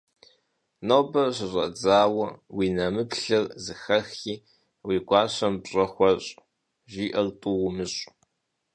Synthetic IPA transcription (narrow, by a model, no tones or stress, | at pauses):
nɐwbɐɕɪɕʷʼɐd͡zaːwɐwiːnɐmɨpɬɨrzɨxɐxiː | wiːɡʷɑːɕɐmbɕʼɐxʷɔɕʼ | ʒiːʔɐrtʼuwʊmɨɕʼ